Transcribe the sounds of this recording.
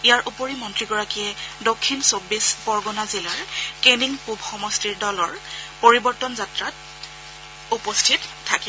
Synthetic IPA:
ijaɹʔupoɹimɔntɹiɡɔɹakijɛdokʰːinsobːisbɔɹɡɔnazilaɹkeniŋpubʱxɔmɔstiɹdɔlɔɹpoɹibɔɹtɔnzatɹat | upɔstʰittʰːaki

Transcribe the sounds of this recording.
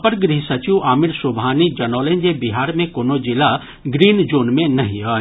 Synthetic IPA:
pəɾɡɾiɦsɐt͡ʃiwaːmɪɾsʊbʱaːnid͡ʒɐnɔːlẽnd͡ʒebiɦaːɾmẽkoːnod͡ʒɪla | ɡɾiːnd͡ʒoːnmẽnɐɦĩɦaː

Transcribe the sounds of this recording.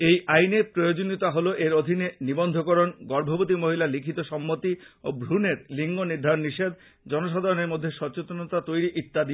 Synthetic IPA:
ejʔajnepɾojod͡ʑonit̪aɦoloʔeɾod̪ʱinenibond̪ʱokoɾonɡɔɾbʱobot̪̬imoɦilalikʰit̪oʃɔmːot̪iobɾuneɾliŋɡoniɾd̪ʱaɾonːiʃed̪̚ | d͡ʑɔnoʃad̪ʱaɾoneɾmod̪ʱːeʃɔɾt͡ɕot̪onot̪at̪ojɾiʔit̪ːad̪i

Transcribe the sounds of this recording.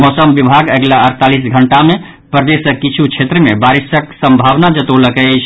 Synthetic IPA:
mɔsəmʋibʱaɡəɡlaəɾt̪alisɡʱəɳʈame | pɾəd̪esəkit͡ʃʰut͡ʃʰet̪ɾəmebaɾisəksəmbʱaʋnad͡ʒət̪oləkɛt͡ʃʰ

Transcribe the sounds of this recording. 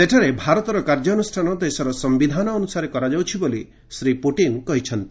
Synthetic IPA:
seʈʰaɾebʱaɾɔt̪ɔɾɔkaɾd͡ʒɔnusʈʰanɔd̪esɔɾɔsɔmbid̪ʱanɔːnusaɾekɔɾad͡ʒawt͡ʃʰiboli | sɾipuʈinkɔɦit͡ʃʰɔnt̪i

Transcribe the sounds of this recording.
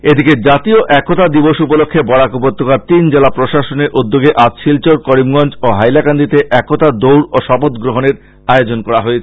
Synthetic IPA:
ed̪iked͡ʑat̪ioʔɛkːot̪ad̪iboʃupolokʰːebɔɽakupot̪ːokaɾt̪ind͡ʑelapɾoʃaʃoneɾʔud̪ːoɡeʔat̪ʃilt͡ɕoɾkɔɾimɡɔnd͡ʑoɦajlakand̪it̪eʔɛkot̪ad̪owɽoʃɔpot̪ɡɾoɦoneɾ | aeod͡ʑonkɔɾaɦoet͡ɕʰe

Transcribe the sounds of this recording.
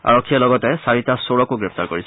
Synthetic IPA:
a̰ɹɔkʰːijalɔɡɔtɛsaɹitasoɹɔkuɡɹɛp̚t̪aɹkoɹis

